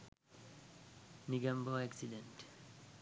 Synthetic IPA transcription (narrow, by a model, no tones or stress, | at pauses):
niɡɐmboɛksiɖenʈ